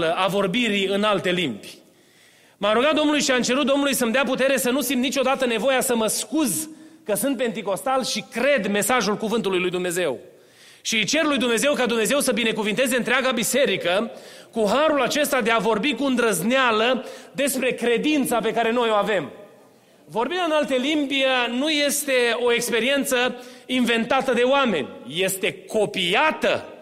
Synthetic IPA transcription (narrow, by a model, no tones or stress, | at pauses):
ləʔavo̞rbiɾiɨnalt̪e̞limbʲ | maɾuɡat̪d̪onulujʃiamt͡ʃe̞ɾut̪d̪onulujsəmd̪eaput̪e̞ɾe̞sənusimnit͡ʃo̞d̪at̪əne̞vo̞jasəməskuzkəsɨnt̪̚pe̞nt̪iko̞st̪alʃikɾe̞d̪me̞saʒulkuvɨnt̪ulujlujd̪umne̞ze̞w | ʃit͡ʃe̞rlujd̪umne̞ze̞wkad̪umne̞ze̞wsəbine̞kuvint̪e̞zeɨnt̪ɾeaɡabise̞ɾikəkuɦaɾulat͡ʃe̞st̪ad̪e̞avo̞rbikuɨnd̪ɾəznealəd̪e̞spɾe̞kɾe̞d̪int̪sape̞kaɾe̞no̞jo̞ave̞m | vo̞rbind̪ɨnalt̪elimbənuje̞st̪e̞o̞e̞kspe̞ɾie̞nt̪səinve̞nt̪at̪əd̪e̞oame̞̰nʲje̞st̪e̞ko̞piat̪ə̰